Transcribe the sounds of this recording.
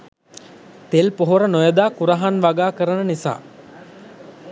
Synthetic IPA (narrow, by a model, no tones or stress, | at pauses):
t̪elpoɦoɾənojəd̪aːkuɾaɦanʋaɡaːkəɾənənisa̰ː